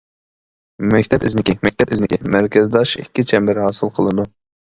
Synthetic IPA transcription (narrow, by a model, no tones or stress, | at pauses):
mɛkʲt̪ʰɛpɪznɪkʲimɛk̚ʲt̪ʰɛpɪznɪkʲimæɾkʲɛzd̪ɑʃikʲːit͡ʃʰɛmbæɾɦɑːsɨlˠqʰəlˠɨd̪u